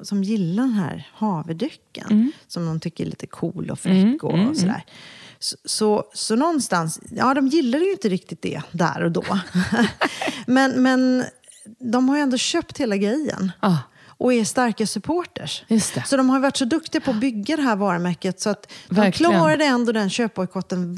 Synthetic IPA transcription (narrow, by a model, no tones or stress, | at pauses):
sɔmjɪlːaɖɛnɦæ̰ːɾhɑːvəd̪ʏkːə̰nsɔmd̪ɔmt̪ʰʏkːəɾɛɭḭːt̪əkʰuːlɔ̰fɾɪkːɔ̰sɔd̪æ̰ːɾssɔsɔnɔnst̪ansjɑːd̪ɔmjɪlːaɾəjʊɪnt̪əɾɪk̚t̪ɪt̪̚d̪ɛ̰d̪æ̰ɾɔd̪o̰ː | mɛnmɛn | d̪ɔmhaɾjʏɛnd̪oːɕøːpt̪heːlaɡɾɛjːə̰n | ʔɔɛst̪aɾkasɵpʰoːʈəʂɵt̪sɔd̪ɔmhaɾjvaʈːʂsɔd̪ɵkt̪ɪɡapʰɔːbʏɡːad̪ɛɦæɾvɑːɾəmæɾkət̪sɔat̪d̪ɔmkʰlɑːɾad̪əɛnd̪oːd̪ɛnɕøːpɔjkʰɔt̪ːən